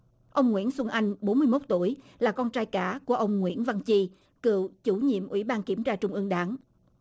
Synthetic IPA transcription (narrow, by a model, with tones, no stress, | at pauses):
ʔə˧wŋ͡mŋwḭ˧˥ənswə˧nʔa˧jŋ̟ɓo˨˦nmɨ˧əjmo˦˥t̚t̪u˧˩əj | laː˨˩kɔ˧nt͡ɕaː˧jkaː˧˥ku˧˩əʔə˧wŋ͡mŋwḭ˧˥ənva˧ŋt͡ɕi˧ | kɨ̰˧˨əwt͡ɕu˧˩˦ɲḭ˧˨əmʔwḭ˧˩˥ɓaː˧nki˧˩əmt͡ɕaː˧t͡ɕʊ˧ŋ͡mʔɨ˧əŋɗaː˨˦ŋ